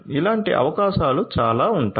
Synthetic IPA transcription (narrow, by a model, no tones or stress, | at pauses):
ilaːɳʈḭʔɐ̰ʋɐkaːʃaːlut͡ʃaːlaːuɳʈa